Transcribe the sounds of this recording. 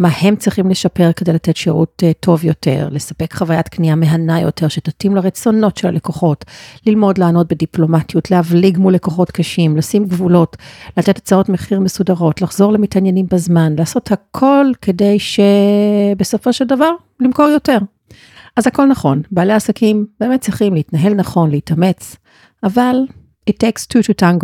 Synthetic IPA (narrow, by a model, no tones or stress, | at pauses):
mahe̞mt͡sʁiχimle̞ʃape̞ʁke̞dejlatetʃeʁṵttʰːo̞vjote̞̰ʁle̞sape̞kχavajatkniameɦanajo̞̰tʰe̞ʁʃetatimlaʁet͡so̞no̞tʃela̰le̞koχo̞tlilmo̞dlaːno̞t̚bediplo̞matjutlehavliɡmule̞koχo̞tkʰaʃimlasimɡvulo̞tlat̪et̪ḁt͡sao̞tmeχiʁme̞sudaʁo̞tlaχzo̞ʁlemitanjenimbazmanlaːso̞thakʰo̞lke̞dejʃe̞beso̞fo̞ʃeldavaʁ | limko̞ʁjo̞te̞ʁ | azhako̞lnaχo̞nbaːleasakʰimbeːmet̚t͡siχimleitnaɦe̞lnaχo̞nleitame̞t͡s | ʔaval | etekstʰututaŋɡo